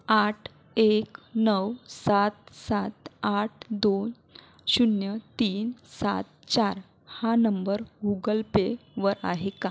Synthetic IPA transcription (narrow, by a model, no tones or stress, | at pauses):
aʈʰ | eknəwsat̪̚sat̪aʈʰd̪on | ɕunjət̪iːnsa̰t̪t͡ɕaɾ | hanəmbəɾɡuɡəlpeʋəɾa̰ɦeka